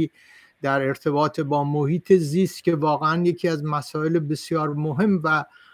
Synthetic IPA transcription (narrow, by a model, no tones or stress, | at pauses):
i | d̪̥æɾe̞ɾt̪ʰe̞bɒːt̪ʰebɒːmohiːt̪ʰe̞ziːst̪̚cʲe̞vɒːɣeænjecʰiːæzmæsɒːe̞lebe̞sjɒːɾmoɦe̞mvæ